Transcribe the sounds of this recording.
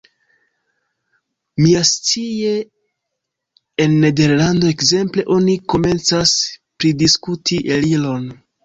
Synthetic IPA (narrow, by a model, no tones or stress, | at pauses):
miast͡sie̞ | enːe̞de̞ɾlando̞e̞kze̞mple̞ʔo̞niko̞me̞nt͡saspɾidiskutʰiʔelilo̞n